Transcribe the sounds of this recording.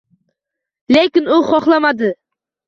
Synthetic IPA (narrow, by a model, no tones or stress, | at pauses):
lekʲɪnʊχɒχlˠamad̪ɪ